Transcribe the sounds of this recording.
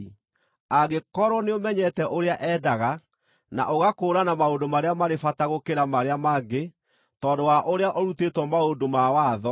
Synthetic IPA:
aɡekɔɾwɔneomɛɲɛtɛʔoɾeaʔɛdaɣa | na̰ʔoɣakoːɾanamaondomaɾeamaɾefataɣokeɾamaɾeamaɡe | tɔːndowaʔoɾeaʔɔɾutetwɔmaondomawaðɔ

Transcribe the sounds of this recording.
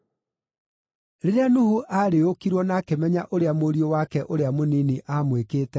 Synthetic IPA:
ɾeɾeanuhuʔaɾeokiɾwɔnaːkemɛɲaʔoɾeamoɾiowakɛʔoɾeamoniniʔamwekeːtɛ

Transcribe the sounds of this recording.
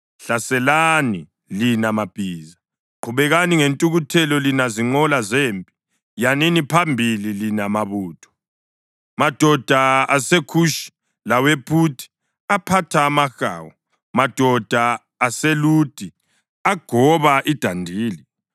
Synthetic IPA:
ɬasɛlani | linamab̥ʱiːza | ǃʰuβɛɣaniŋentʼuɣutʰɛlɔlinaziŋ͡ǀɔlazeːmpʼi̥ | janinipʰambʱililinamaβuːtʰɔ̥ | mad̥ʱɔd̥ʱaasekʰuːʃi̥ | lawepʰutʰi̥ | apʰatʰaːmaxa̰ːwɔ | mad̥ʱɔd̥ʱaː | seluːd̥ʱi | aɡ̥ʱɔβaʔid̥ʱandʱiːli

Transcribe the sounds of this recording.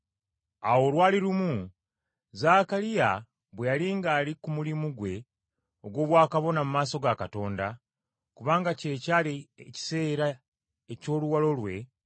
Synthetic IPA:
a̰wo̞ːlwaːliɾumu | zaːkalija | βwejaliŋɡaːlikumulimuɡwe̞ | o̞ɡwo̞ːβwaːkaβo̞namumaːso̞ɡakato̞ːnda | kuβaːŋɡace̞ːcaːlici̥se̞ːɾa | e̞co̞ːluwalo̞lwe̞

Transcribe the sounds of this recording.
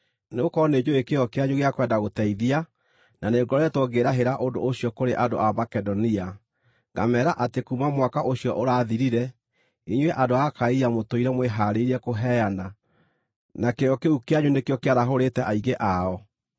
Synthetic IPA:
nekɔned͡ʒoekeɔkeaɲuɣeakwɛːndaɣotɛiðia | naneŋɡɔɾɛtwoɡeɾaɦeɾaʔondo̰ːɕiɔkoɾeʔando̰ʔamakɛdɔnia | ɡa̰mɛɾaʔatekumamwakaʔoɕiɔʔoɾaːðiɾiɾɛ | iɲweʔandoakaijamotoiɾɛmweɦaɾeiɾɛkoɦɛana | nakejɔkeukeaɲunekjɔkeaɾaɦoɾetɛʔaiɣeʔaɔ

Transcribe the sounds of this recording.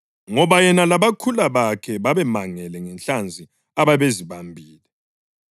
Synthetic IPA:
ŋɔβajɛnalaβakʰulaβakʰɛβaβɛmaŋɛlɛŋɛnɬand͡zʱi | aβaβeziβambʱiːlɛ

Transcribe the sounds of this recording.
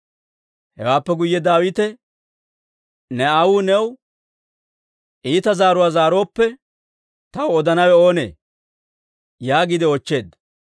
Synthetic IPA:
hɛ̰waːpːɛɡʊjːɛd̪aːwɪt̪ɛ | nɛɐwuːnɛw | ʔiːt̪ɐzaːɾʊwaːzaːɾo̞ːpːɛ | t̪ɐwɔd̪ɐnɐwɛo̞ːnḛː | jaːɡɪd̪ɪɔt͡ʃːe̞ːd̪ɐ

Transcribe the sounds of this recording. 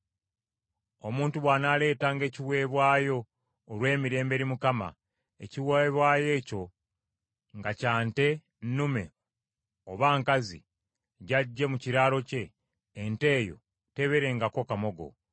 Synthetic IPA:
o̞muːntuβwaːnaːle̞ːtaŋɡe̞ːciwe̞ːβwaːjo̞ː | lwe̞ːmiɾe̞ːmbe̞ɾimukama̰ | ḛciweβwaːje̞ːco̞ | ŋɡacaːnte̞ | nnume̞̰ | oβaːŋkazḭ | ɟaɟːe̞muciɾaːlo̞ce̞ː | nte̞ːjo̞̰ | te̞βe̞ɾe̞ŋɡako̞kamo̞ɡo̞̰

